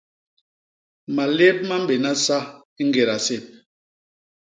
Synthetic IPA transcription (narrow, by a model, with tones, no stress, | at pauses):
ma˨le˦p̚ma˦m̩˦be˨na˦sa˦ | i˦ŋ˦ɡe˨ɾa˨se˦˨p̚